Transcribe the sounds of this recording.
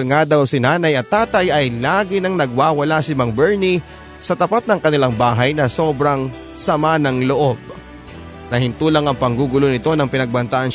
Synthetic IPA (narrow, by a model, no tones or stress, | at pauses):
ŋad̪awsɪnaːnɐjɐt̪ːaːt̪ɐjʔɐjlaːɡɪnɐŋnɐɡ̚waːwɐlasɪmɐŋbɛɹni | sɐt̪ɐpat̪̚nɐŋkɐnɪlaŋbaːɦɐjnɐso̞ːbɾɐŋ | sɐmanɐŋloʔo̞b̚ | nɐhɪnt̪uːlɐŋɐŋpɐŋɡuːɡʊlonɪt̪o̞nɐŋpɪnɐɡ̚bɐnt̪aʔɐn